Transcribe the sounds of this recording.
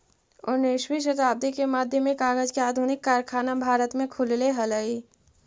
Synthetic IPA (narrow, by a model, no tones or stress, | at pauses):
ʊnɪʃwiʃ̬ət̪aːb̚d̪ikemaːd̪ʱjəmẽkaːɡəd͡ʒkeaːd̪ʱʊnɪkːaːɾkʰaːnabʱaːɾət̪mẽkʰʊlleɦɐləi